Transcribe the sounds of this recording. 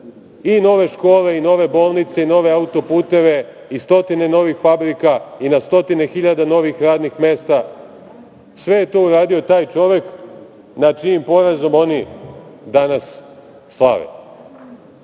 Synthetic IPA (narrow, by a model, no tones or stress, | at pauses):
ino̞ʋe̞ʃko̞ːle̞ino̞ʋe̞bo̞ːlˠnit̪se̞ino̞ʋe̞aut̪o̞puːt̪e̞ʋe̞ | ist̪o̞t̪ine̞no̞ʋixfabɾikainast̪o̞t̪ine̞xiʎad̪ano̞ʋixɾaːd̪nixme̞ːst̪a | sʋe̞je̞t̪oːuɾaːd̪io̞t̪aːjt͡ʃo̞ʋe̞k | nat͡ʃiːmpo̞ɾazo̞mo̞nid̪anasː | lˠa̰ʋḛ